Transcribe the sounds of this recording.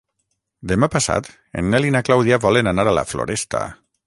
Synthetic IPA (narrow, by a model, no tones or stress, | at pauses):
d̪emapasa̰t̪ | ḛnːelinaklawðiaβɔlenanaɾala̰flo̰ɾest̪a̰